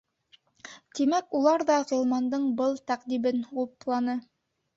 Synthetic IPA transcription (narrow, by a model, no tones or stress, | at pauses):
t̪imækulˠɑɾðɑʁolˠmɑnd̪ɤɴbɤlˠt̪æqd̪ibɘnulˠplˠɑnɤ